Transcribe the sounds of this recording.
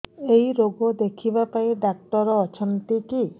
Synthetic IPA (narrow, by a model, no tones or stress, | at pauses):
ejɾoɡod̪ekʰibapajɖak̚ʈɔɾɔɔt͡ʃʰɔnt̪iki